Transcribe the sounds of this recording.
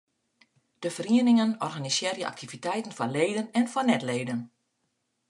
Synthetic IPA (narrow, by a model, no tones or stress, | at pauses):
d̥əfəriənɪŋənɔrɣanisɪərjəʔa̰k̚tʰivitɛjtən̩fɔnleːdənɛnfɔnɛtleːdən